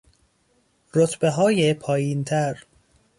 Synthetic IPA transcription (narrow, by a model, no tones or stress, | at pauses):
ɾot̪ʰbeɦɒːjepʰɒːjiːnt̪ʰæɾ